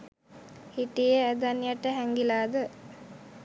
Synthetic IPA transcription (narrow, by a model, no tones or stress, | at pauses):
hiʈijəæd̪anijaʈəɦæŋɡilaːd̪ə